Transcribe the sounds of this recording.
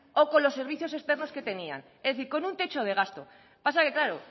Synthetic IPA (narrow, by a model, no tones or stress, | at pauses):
o̞ko̞nlo̞sːeɾβiθjo̞s̬e̞st̪e̞ɾno̞ske̞t̪e̞nia̰n | ezðe̞θiɾko̞nunt̪e̞t͡ʃo̞ð̞e̞ɣ̞ast̪o̞ | pasake̞klaɾo